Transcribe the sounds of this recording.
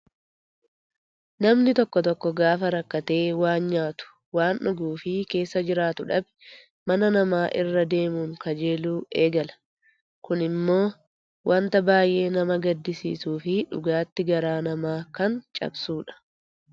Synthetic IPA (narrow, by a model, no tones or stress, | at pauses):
nɐmnɪt̪ɔkːɔt̪ɔkːɔɡaːfɐɾɐkːɐt̪e̞ːwaːnɲaːt̪ʊ̥ | waːnʔʊɡuːfɪke̞ːsːɐd͡ʒɪɾaːt̪ʊᶑɐbɛ̥ | mɐnɐnɐmaːʔɪrːɐd̪e̞ːmuːŋkɐd͡ʒe̞ːluːeːɡɐlɐ̥ | kʊnɪmːo̞ː | wʔɐnt̪ɐbaːjʔe̞ːnɐmɐɡɐd̪ːɪsḭːsuːfɪᶑʊ̰ɡaːt̪ːɪɡɐɾaːnɐmaːkɐnt͡ʃʼɐ̰bsuːᶑɐ̥